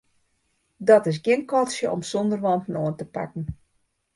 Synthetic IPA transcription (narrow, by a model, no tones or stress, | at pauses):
dɔtɪs̬ɡɪənkɔsjəʔɔ̰msɔndərʋɔntnoəntəpa̰kn̩